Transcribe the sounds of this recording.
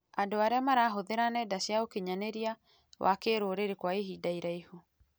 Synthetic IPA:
andoaɾeamaɾaːɦoðeɾanɛdaɕjaokeɲaneɾia | wʔa̰keɾoːɾeɾekwaeɦidaiɾaiho

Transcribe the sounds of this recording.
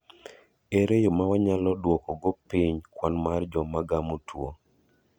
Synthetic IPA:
eɾejomawaɲalɔdwɔkɔɡɔpiɲkwanmard͡ʒɔmaɡamotʰwo

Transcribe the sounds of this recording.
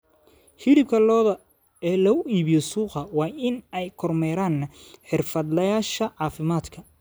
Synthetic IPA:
hɪɽɪb̚kʰɐlɔːðɐ | ɛːlɐʊʔiːβɪjɔsuːqɐwɑːɪnɛjkʰɔrmɛːɾaːnħɪrfɐd̪lɐjaːʃɐʕɑːfɪmaːd̪kʰɐ

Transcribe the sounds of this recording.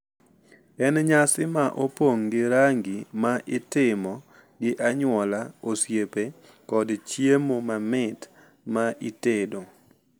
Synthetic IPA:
ɛnɲasɪmaʔopoŋɡɪɾaŋɡimaʔɪtɪmɔ | ɡɪʔaɲwɔlaosjepe | kɔdt͡ʃjemomamɪt | maʔitedo

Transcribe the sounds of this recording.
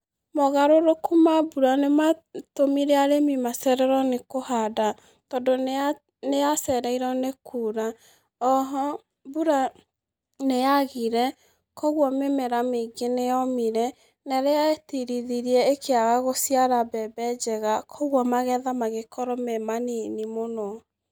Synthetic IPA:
mɔɣaɾoɾokumabuɾanematomiɾɛaɾemimasɛɾɛɾɔnekohada | tɔdon | nejasɛɾɛiɾɔnekʰuːɾa | ɔɦɔ | buɾa | nejaɣiɾɛ | kɔɣwɔmemɛɾameɡenejɔmiɾɛ | nɛɾeaetiɾiðiɾiɛekʰeaɣaɣosiaɾabɛbɛd͡ʒɛɣakʰɔɣwɔmaɣɛðamaɣekɔɾɔmɛmaninimonɔ

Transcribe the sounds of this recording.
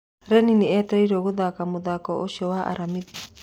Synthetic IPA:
ɾɛniniɛt̪ɛiɾoɣoðakamoðakɔʔoʃiɔwaʔa̰ɾamiti

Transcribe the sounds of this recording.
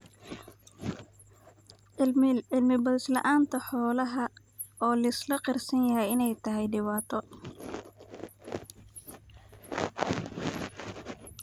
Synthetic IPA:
ɪlmɪbɐðɪslɐ̰ʔaːnt̪ʰɐħɔːlɐɦɐ | ɔːlɐɪslɐqɪrsɐnjɐɦɛjɪnɛjt̪ʰɐɦɛjɖɪβaːt̪ʰɔ

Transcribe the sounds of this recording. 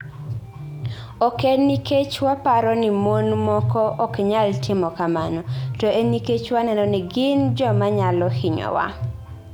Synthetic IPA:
ɔkeniket͡ʃwapaɾɔnɪmonmɔkɔʔɔkɲaltʰɪmɔkamanɔtɔʔeniket͡ʃwanɛnɔnɛɡɪnd͡ʒɔmaɲalɔhɪɲɔ̰wa̰

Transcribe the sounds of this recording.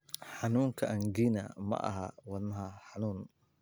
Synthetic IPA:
ħɑnuːŋkʰɐʔɐŋɡiːnɐmɐ̰ʔɐ̰ɦɐwɑnɐɦɐħɑnuːn

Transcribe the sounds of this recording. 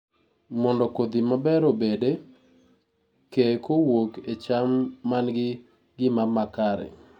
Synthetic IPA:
mɔndɔkod̪imabɛɾobede | kekowoket͡ʃamːanɡɪ | ɡɪmamakaɾɛ̰

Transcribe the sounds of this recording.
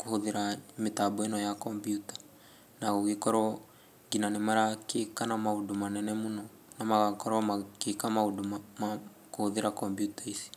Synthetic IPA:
kuhoðeɾametabɔenɔjakɔmpjutḁ | naɣoɣikɔɾɔ | ɡinanemaɾakekanamaudumanɛnɛmunɔ | namaɣakɔɾɔmakekamauduma | kohoðeɾakɔmbjutaisi̥

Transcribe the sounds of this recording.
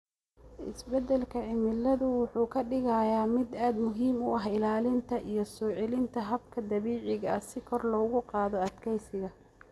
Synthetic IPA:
ʔɪ̰sbɛd̪ɛlkʰɐʕɪmɪlːɐðʊwʊħuːkʰɐɖɪɣɐjaːmɪd̪aːd̪mʊɦiːmʊɐɦɪlaːlɪnt̪ʰɐʔijɞsɔːʕɛlɪnt̪ʰɐɦɐb̚kʰɐd̪ɐβiːʕɪɣɐɐsɪkʰɔrlɔːɣʊqɑːðɔɐd̪kʰɛjsɪɣɐ

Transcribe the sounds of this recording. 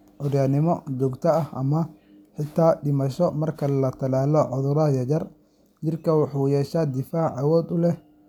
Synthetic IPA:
ʔɔɾjaːnɪmɔd͡ʒɔɡt̪ʰɐɐhʔɐ̰mɐ | ħɪt̪ʰːaːɖɪmɐʃɔmɐrkʰɐlɐt̪ʰɐlaːlɔʕʊðʊɾɐjɐd͡ʒɐr | t͡ʃɪrkʰɐwɑħuːjɛːʃaːd̪ɪfaːʕɑwɔːd̪ʊlɛ

